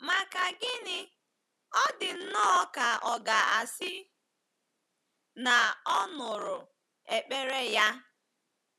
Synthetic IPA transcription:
ma˨ka˨ɡɪ˦nɪ˦ | ɔ˦dɪ˨n̩˦nɔ˦ka˨ʔɔ˨ɡa˨a̰˨sɪ˦ | na˨ɔ˦nʊ˨ɾʊ˨ | e˨k͡pe˦ɾe˦ja˦

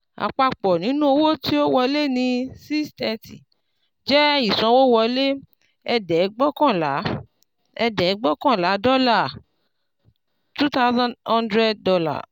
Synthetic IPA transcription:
a̰˨k͡pa˧k͡pɔ˨nĩ˨˦nũ˦o˧wo˦ti˦o˦wɔ˧le˦nĩ˧si˦stɛ˧tḭ˨ | d͡ʒɛ˦i˦˨sã˧wo˦wɔ˧le˦ | ɛ˧dɛ˨˦ɡ͡bɔ˦kã˦˨la˨˦ | ɛ˧dɛ˨˦ɡ͡bɔ˦kã˦˨la˨˦dɔ˦la˦˨ | tu˦ta˦zã˦hã˦ndɾɛ˦d̚ːɔ˧la̰˦˨

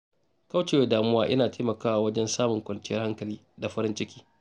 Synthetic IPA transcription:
ka˦wt͡ʃe˨we˦daː˨mʊ˦waː˦ʔɪ˦naː˨tʰeː˦mɐ˨kaː˦waː˨wɐ˦d͡ʒɛ˦nsaː˦mʊ˨ŋkʷɐ˨nt͡ʃɪ˦jɐ˦rha˦ŋkɐ˨liː˦ | da˨ɸɐ˦ɾɪ˦nt͡ʃɪ˦kʲiː˦

